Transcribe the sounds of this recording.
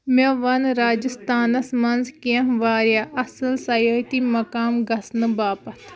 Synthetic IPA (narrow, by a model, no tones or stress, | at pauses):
mɐ̃ʋɐnɾaːd͡ʒəst̪aːnɐsmɐnzkiɐ̃ɦʋaːɾjaʔɐsɨlsɐjoːɦit̪imɐkaːmɡɐsnɨbaːpɐt̪ʰ